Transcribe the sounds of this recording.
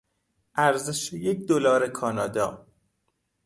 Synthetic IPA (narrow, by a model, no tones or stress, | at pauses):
ʔæɾzeʃejecd̪olɒːɾekʰɒːnɒːd̪ɒː